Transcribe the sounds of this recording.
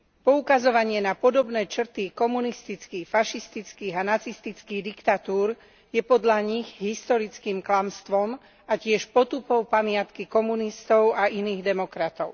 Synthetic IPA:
pɔukazɔʋaɲɪɛnapɔd̪ɔbnɛːt͡ʃr̩t̪ikɔmunist̪it͡skiːxfaʃist̪it͡skiːɣanat͡sist̪it͡skiːd̪ikt̪at̪uːɾ | jɛpɔd̪ʎaɲiɣɦist̪ɔɾit͡skiːmklamst̪ʋɔm | acɪɛʃpɔt̪upɔʊpamɪat̪kikɔmunist̪ɔʊainiːɣd̪ɛmɔkɾat̪ɔʊ

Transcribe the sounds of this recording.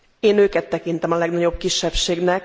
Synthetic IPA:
eːnøːkɛt̪ːɛkint̪ɛmɒlɛɡnɒɟo̞b̚kiʃːɛbʃeːɡnɛk

